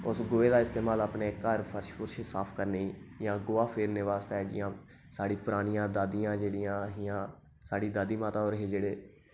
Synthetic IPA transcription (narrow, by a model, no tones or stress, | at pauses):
ʊsɡoːeːd̪aːɪst̪eːmaːlaːpneːkəɾpʰəɾʃkʊɾʃsaːpʰkəɾneːiːjãːɡʊːaːpʰeːɾneːʋaːst̪aɛːd͡ʒɪ̰jãː | saːɽiːpʊɾaːnijãːd̪aːd̪ijãːd͡ʒeːɽijãːɦijãː | saːɽiːd̪aːd̪iːmaːt̪aːoːɾɦeːd͡ʒeːɽeː